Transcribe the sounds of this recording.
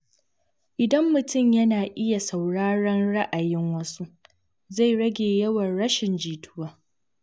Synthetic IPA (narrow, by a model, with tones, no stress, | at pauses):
ʔɪ˨dɐ˦mːʊ˨tʊ˦˨mjɐ˦naː˨ʔɪ˦ja˨sa˨wɽaː˦ɽɐ˦nɽa˦ʔa˨jɪ˦ŋwɐ˦su˦ | za˦˨jɽɐ˦ɡʲeː˨jɐ˦wɐ˨nɽɐ˦ʃɪ˨nd͡ʒiː˨tʰʊ̥˦waː˦